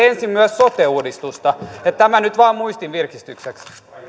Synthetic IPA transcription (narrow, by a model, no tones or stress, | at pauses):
ensimmyæssot̪euːdist̪ust̪ɑet̪t̪æmænyt̪ʋɑːmmuist̪iʋʋirkist̪ykseks